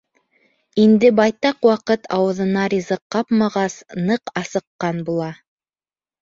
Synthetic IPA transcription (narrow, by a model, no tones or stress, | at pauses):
ind̪ɘbɑjt̪ɑqwɑqɤt̪ʰɑwɤ̆ðɤ̆nɑɾizɤqːɑpmɑʁɑsnɤqɑsɤ̆qːɑnbulˠɑ